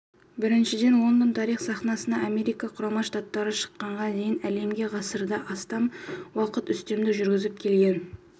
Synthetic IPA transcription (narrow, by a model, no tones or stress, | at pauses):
bɪɾɪnʃɪd̪e̞nwo̞nd̪ənt̪ʰɑɾijχsɑχnɑsənɑame̞ɾijkɑqʰʊɾɑmɑʃt̪at̪ːɑɾəʃə̥qːɑɴʁɑd̪e̞jɪnæle̞mɡʲe̞ʁɑsəɾd̪ɑʔɑst̪ɑmwɑqət̪ʏst̪e̞md̪ɪʒʏɾɡʲɪzɪp̚kʲʰe̞lɡʲe̞n